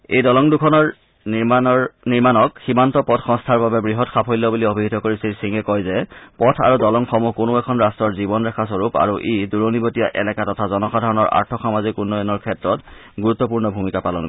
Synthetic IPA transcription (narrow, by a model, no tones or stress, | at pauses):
ḛjdɔlɔŋdukʰɔnɔɹ | niɹmanɔkximantɔpɔtʰxɔ̃ŋstʰaɹbabɛbɹiɦɔtxapʰojlːɔbuliobʱiɦitɔkoɹisilsiŋɛkɔjzɛpɔtʰa̰ɹudɔlɔŋxɔmukonʊɛkʰɔnɹastɹɔɹzibɔnɹakʰas̬ɔɹupa̰ɹuʔiduɹonibotijaʔɛ̰lɛkatɔtʰazɔnɔxadʱaɹɔnɔɹʔa̰ɹtʰɔxamazikunːɔjɔnɔɹkʰɛtɹɔt | ɡuɹut̪ːɔp̬uɹnɔbʱumikapalɔnk